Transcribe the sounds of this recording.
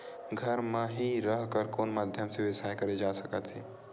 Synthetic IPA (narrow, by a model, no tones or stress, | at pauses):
ɡʱɐɾmãɦiɾəɦkəɾkoːnmaːd̪ʱjəmseʋɪsaːjkɐɾed͡ʒaːsəkət̪ɦeː